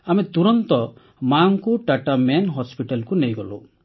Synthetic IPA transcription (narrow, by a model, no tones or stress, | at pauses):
amet̪uɾɔnt̪ɔ | maŋkuʈaʈamenɦɔspiʈalkunejɡɔlṵ